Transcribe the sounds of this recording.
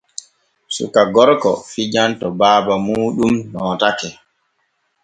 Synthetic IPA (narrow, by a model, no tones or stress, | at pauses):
sṵkaɡɔɾkɔ̰fid͡ʒantɔbaːbamuːɗumnɔːtakɛ